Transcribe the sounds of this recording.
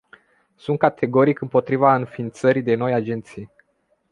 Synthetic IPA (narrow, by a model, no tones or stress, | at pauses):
sunt̪̚kat̪ʰe̞ɡo̞ɾikɨmpo̞t̪ɾivaɨnfint̪səɾid̪e̞no̞jad͡ʒe̞nt̪sij